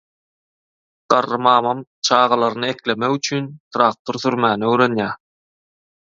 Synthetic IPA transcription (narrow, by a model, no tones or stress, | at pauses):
ɢ̥ɑrːɯmɑːmɑmt͡ʃʰɑːʁɑlˠɑɾɯnɯe̞kle̞mekyt͡ʃʰyːnt̪ʰɾɑːk̚t̪ʰoɾθyɾmæːnøwɾe̞njæː